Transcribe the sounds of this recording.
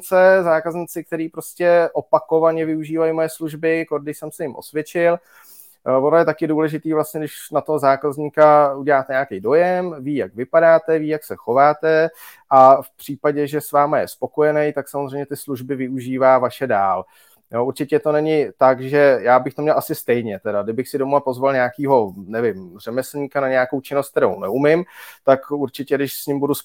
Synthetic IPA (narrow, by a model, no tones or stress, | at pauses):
t͡sɛzaːkazɲiːt͡sɪk̚t̪ɛɾiːpɾo̞scɛʔopako̞vaɲɛvɪuʒiːvajimo̞jɛsluʒbɪkoɾɡdɪʃsɛmsɛjɪmʔo̞̰svjɛt͡ʃɪl | vonojɛt̪akɪduːlɛʒɪt̪iːvlastɲɛdɪʃnat̪oɦozaːkazɲikauɟɛlaːt̪ɛɲaːkɛjdo̞jɛmviːjaɡvɪpadaːt̪ɛviːjaksɛxo̞vaːt̪ɛʔafpr̥iːpaɟɛʒɛsvaːmajɛspo̞ko̞jɛnɛjt̪aksamozr̝ɛjmɲɛt̪ɪsluʒbɪvɪuʒiːvaːvaʃɛdaːl | joʔuɾt͡ʃɪcɛt̪o̞nɛɲɪt̪aɡʒɛjaːbɪxt̪omɲɛlʔasɪst̪ɛjɲɛt̪ɛdadɪbɪxsɪdomapo̞zvalɲɛakiːɦo̞nɛvɪmr̝ɛmɛsl̩ɲiːkanaɲɛjako̞wt͡ʃɪnost̪̚t̪ɛɾo̰wnɛumɪmt̪akuɾt͡ʃɪcɛdɪʃsɲɪmbudus